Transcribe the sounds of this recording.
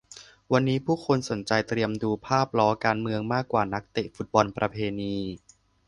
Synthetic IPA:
wa˧nːiː˦˥pʰuː˥˩kʰo˧nso˩˦nt͡ɕa˧jt̪ɾi˧əmduː˧pʰaː˥˩p̚lɔː˦˥kaː˧nmɯ˧əŋmaː˥˩kːwaː˨˩na˦˥k̚t̪e˨˩fu˦t̪̚bɔ˧npɾa˧pʰeː˧niː˧

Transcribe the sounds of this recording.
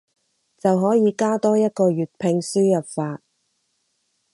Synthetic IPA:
t͡sɐ˨wɦɔː˨˥jiː˨˧kaː˥t̪ɔː˥jɐ˥t̚kɔː˧ɥyː˨˩t̚pʰɪ˧ŋsyː˥jɐ˨p̚faː˧t̚

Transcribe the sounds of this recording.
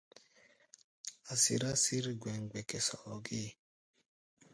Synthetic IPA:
a˨sḭ˨ɾa˦si˦ɾi˦ɡʷwe˨ŋ̩˨ɡ͡be˨ke˨sɔ˨ɔ˨ɡɪ˦

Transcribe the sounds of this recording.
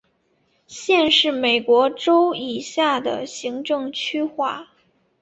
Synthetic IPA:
ɕjɛ˥˧nʂɻ̩˥˩me˨˩ɪkwɔ˧˥ʈ͡ʂo˥ʊi˨˩ɕja˥˩d̪ə̰˩ɕi˧˥ŋʈ͡ʂɤ˥˩˧ŋt͡ɕʰy˥xwa˥˩

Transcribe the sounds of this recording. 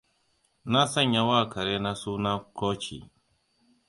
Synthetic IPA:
na˦sɐ˦˨ɲja˦waː˦˨ka˨ɾe˦na˦suː˦na˦kɔː˦t͡ʃḭ˨

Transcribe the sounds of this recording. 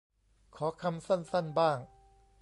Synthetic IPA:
kʰɔː˩˦kʰa˧msa˥˩nsa˥˩nbaː˥˩ŋ

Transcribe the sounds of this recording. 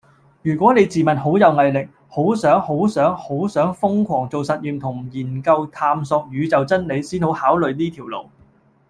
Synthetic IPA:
jyː˨˩kʷɔː˨˥ne˨˧jt͡siː˨˩mɐ˨˩nɦo˨˥wjɐ˨˧wŋɐ˨jlɪ˨k̚ | ho˨˥wsœː˨˥ŋho˨˥wsœː˨˥ŋho˨˥wsœː˨˥ŋfʊ˥ŋkʷʰɔː˨˩ŋt͡so˨wsɐ˨t̚jiː˨˧mt̪ʰʊ˨˩ŋjiː˨˩nkɐ˧wt̪ʰaː˧msɔː˧k̚jyː˨˧t͡sɐ˨wt͡sɐ˥nne˨˧jsiː˥nho˨˥whaː˨˥wlɵ˨ɥniː˥t̪ʰi˨˩wlo̰˨˩w

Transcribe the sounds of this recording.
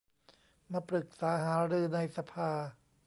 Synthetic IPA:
maː˧pɾɯ˨˩k̚saː˩˦ɦaː˩˦ɾɯː˧na˧jsa˧pʰaː˧

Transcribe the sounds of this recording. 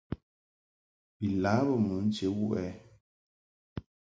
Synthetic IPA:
bi˨la˨˦bə˦˨mə˨˦n̩˦t͡ʃe˨˦wu˦ʔɛ˦

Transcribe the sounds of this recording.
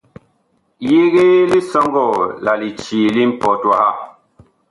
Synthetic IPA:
je˦ɣe˦li˦sɔ˦ŋɡɔ˦˨la˨li˨t͡ʃiː˨li˦m̩˦pɔ˨˦ta˦ha˦˨

